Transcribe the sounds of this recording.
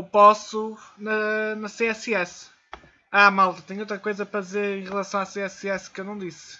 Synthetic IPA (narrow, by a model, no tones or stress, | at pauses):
wpɔsunɐnɐseɛsɛs | amalˠt̪ɐt̪eɲowt̪ɾɐkojzɐpɾɐðizeɾẽj̃ʁɨlˠɐsɐ̃w̃aseɛsɛskewnɐ̃w̃d̪is